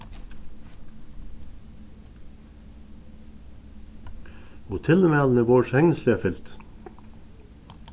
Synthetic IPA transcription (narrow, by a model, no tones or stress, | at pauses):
oːt̪ʰɪlmæːln̩əboːʃhɛŋnəslɪɑfɪlt̪